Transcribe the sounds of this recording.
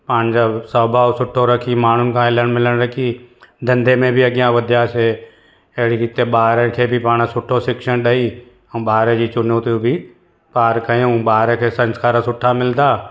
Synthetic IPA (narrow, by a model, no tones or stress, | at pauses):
paːnd͡ʒasəbʱaːsʊʈʰːoɾəkʰimaːn̤ʊnɪ̆kʰãɪləɽ̃mɪləɽ̃ɾəkʰid̪ɐ̃nd̪emẽbʱiɐɡjãʋɪd̪ʱjase | eɦɽikɪt̪eɓaːɾekʰebʱipaːɽ̃esʊʈʰːosɪkʃəɽɗəĩ | ɓaːɾed͡ʒiːt͡ʃʊnoːt̪ubʱi | paːɾkəoũbaːɾekʰesə̃nskaːɾəsʊʈʰːamɪld̪aː